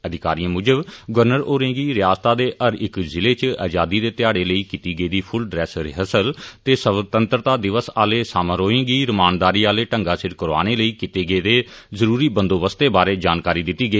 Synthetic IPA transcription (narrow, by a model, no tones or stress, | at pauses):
əd̪ɪkaːɾiãmʊd͡ʒəbɡəɾnəɾoːɾẽːɡiːɾɪjaːst̪aːd̪eːʔəɾɪkzɪleːt͡ʃa̰ːd͡ʒaːd̪iːd̪eːt̪ɪjaːɽeːləiːkit̪iːɡəiːd̪iːpʰʊlɖɾɛːsɾɪɦəsəlt̪eːsət̪ənt̪ɾət̪aːd̪ɪʋəsaːleːsaːmãːɾoːẽːɡiːɾəmaːnd̪aːɾiːaːleːʈə̃ŋɡaːsɪɾkəɾa̰ːñeːləiːkit̪eːɡəːd̪eːzəɾuːɾiːbənd̪oːʋəst̪eːbaːɾeːd͡ʒaːnkaːɾiːd̪ɪt̪ːiːɡəiː